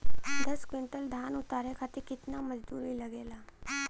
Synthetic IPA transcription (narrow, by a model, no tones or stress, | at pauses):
d̪ɐskwɪ̃ɳʈəld̪ʱaːnʊt̪aːɾekʰat̪ekɪt̪namɐd͡ʒd̪uːɾilɐɡeːlaː